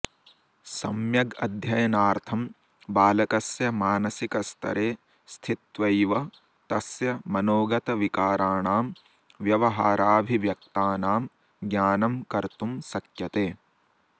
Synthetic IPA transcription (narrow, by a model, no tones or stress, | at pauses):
sɐmjɐɡɐ̰d̪ʱjɐjɐnaːɾt̪ʰɐm | baːlɐkɐsjɐmaːnɐsikɐst̪ʰɐ̰ɾeː | st̪ʰit̪ʋɐjʋɐ | t̪ɐsjɐmɐnoːɡɐt̪ɐʋikaːɾaːɳaːm | ʋjɐʋɐɦaːɾaːbʱiʋjɐk̚t̪aːnaːm | ɡjaːnɐmkɐɾt̪umsɐkjɐt̪eː